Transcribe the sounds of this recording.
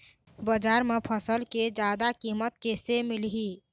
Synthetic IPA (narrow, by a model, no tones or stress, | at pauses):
bəd͡ʒaːɾmepʰəsəlked͡ʒaːd̪akiːmət̪kesemilɦi